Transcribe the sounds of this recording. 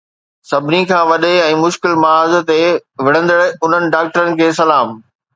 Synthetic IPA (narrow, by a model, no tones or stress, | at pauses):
sɐbʱɪnikʰãːʋɐɗeɛ̃ːmʊʃkɪlmɐaːzt̪eʋɪɽ̤ə̃nd̪əɽʊn̤ənɪ̆ɖaːk̚ʈəɾənɪ̆kʰeːs̬ɐlaːm